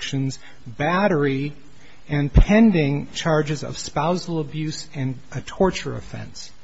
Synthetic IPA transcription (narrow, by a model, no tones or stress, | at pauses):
kʃɨ̃nz | bæɾə˞i | ɨ̃npʰɛ̃ndɪ̃ŋt͡ʃʰɑɹd͡ʒɨzʌ̰v̥spaʊzl̩ˠəbjʉsɨ̃n | ɨtʰɔɹt͡ʃə̰˞ɨ̰fɛ̰̃ns